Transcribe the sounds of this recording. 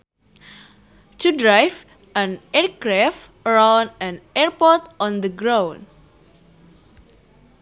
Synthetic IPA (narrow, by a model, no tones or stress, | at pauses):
tudɹajv | ʔə̃nɛɹkɹaf | əɹãw̃nə̃nɛɹpɔt̪ʔɔ̃nd̪əɡɹãw̃n